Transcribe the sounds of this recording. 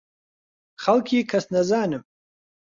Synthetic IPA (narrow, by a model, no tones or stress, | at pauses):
χalkʰikʰɐsnɐzaːnɨm